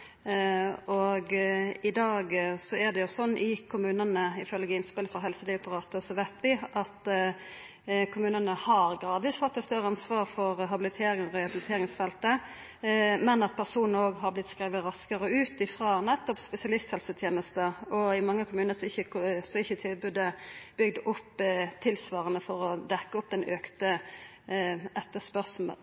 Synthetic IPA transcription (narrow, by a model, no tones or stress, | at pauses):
ɔɡɪd̪ɑːɡsɔɛd̪ɛjʊsɔnːʔɪkʰʊmʉːnənəɪfœlɡəɪnspɪləfɔɾɦɛlsəd̪ɪɛkt̪ʊɾɑːt̪əsɔʋɛt̪bɪʔɑt̪ | kʰʊmʉːnənəhɑɾɡɾɑːd̪ʋɪsfɔt̪ːɛst̪œɾəɑnsʋɑːɾfɔɾɦɑbɪlɪt̪ʰeːɾɪŋɾɛhɑbɪlɪt̪ʰeːɾɪŋsfɛlt̪ə | mɛnɑt̪̚pʰæʁsuːnnəoːɡɦɑɾblɪt̪skɾiːʋəɾɑskəɾəʉːt̪ɪfɾɑːnɛt̪ːɔpspɛsɪɑlɪst̪hɛlsət̪ʰjeːnəst̪əɔɪmɑŋːəkʰʊmʉːnəsɔɪçːəsɔɪçːət̪ʰɪlbʉd̪əb̥ʏɡd̪əʔʊpːt̪ʰɪlsʋɑːʁənəfɔɾɔd̪ɛkːəʊp̚ːd̪ɛnøːkt̪ə | ʔɛt̪ːəspœʁsm̩ə̰